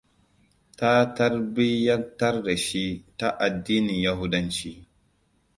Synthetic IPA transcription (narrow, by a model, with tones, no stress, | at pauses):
ta˦tɐ˦ɾbi˦ja˦ta˦ɾːa˨ʃi˦ta˦ʔa˨dːiː˦ni˨ja˦ɦu˦dɐ˦nt͡ʃi˦